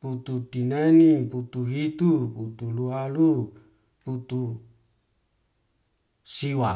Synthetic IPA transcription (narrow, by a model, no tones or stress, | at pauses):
put̪ut̪ineniput̪uɦit̪uput̪ulualu | put̪u | siwa